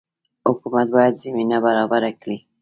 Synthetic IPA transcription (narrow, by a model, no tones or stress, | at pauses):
hʊkumat̪̚bɑjad̪zaminabaɾɑbaɾakɽi